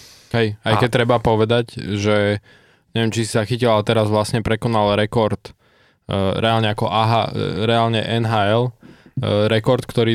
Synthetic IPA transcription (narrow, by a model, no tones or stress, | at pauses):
ɦɛjajkɛc̚t̪ɾɛbapɔʋɛd̪aɟʒɛ | ɲɛʋjɛmt͡ʃisizaxicilalɛt̪ɛɾazʋlasɲɛpɾɛkɔnalɾɛkɔɾt̪ | ɾɛalɲɛakɔʔaɦa̰ɾɛalɲɛʔɛnɦaːɛl | ɾɛkɔɾt̪kt̪ɔɾiː